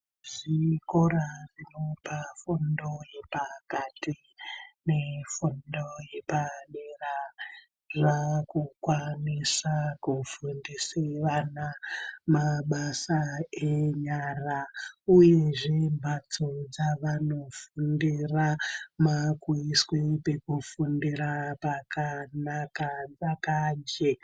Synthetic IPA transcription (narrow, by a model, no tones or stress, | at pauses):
ʐ̥ikorarino̞pafundo̞jepakati | ne̞fundojepaɗera | ʐakukwanisakufundisiʋanamaɓasaeɲaraujeʐembʱatʰod͡zaʋano̞fundiramakwiswepe̞kufundiɾapakanakad͡zakaɲd͡ʒe